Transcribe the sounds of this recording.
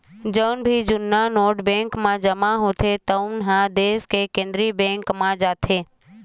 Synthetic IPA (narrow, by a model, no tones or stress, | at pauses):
d͡ʒəːnbʱid͡ʒʊnːanoːʈbẽːŋkmãd͡ʒəmãɦoːt̪ʰet̪əʊnɦãd̪eːskekẽːnd̪ɾibẽːŋkmãd͡ʒaːt̪ʰeː